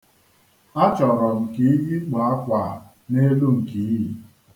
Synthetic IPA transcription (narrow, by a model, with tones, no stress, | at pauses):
a˦t͡ʃɔ˨ɾɔ˨m̩˨ki˦ji˦k͡pa˨a˦kʷa˨ | ne˦lu˦ŋ̩˨ki˨˦ɦi˨